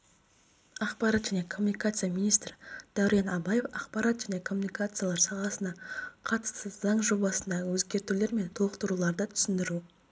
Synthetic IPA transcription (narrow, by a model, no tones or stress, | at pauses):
ɑqpɑɾat̪ʒæne̞kʰo̞mːunikat̪sɨijamʲinijst̪rd̪̥æwɾenɑbɑje̞fɑqpɑɾɑt̪ʒæne̞kʰo̞mːunikat̪sɨjalˠɑɾsɑʁɑsənɑqʰɑt̪ə̥səzːɑɴʒo̞bɑsənd̪ɑʁəwɵzɡʲe̞ɾt̪ule̞ɾme̞nt̪ʰoqt̪əɾulˠɑɾd̪ət̪ʰʏ̥sɪnd̪ɪɾu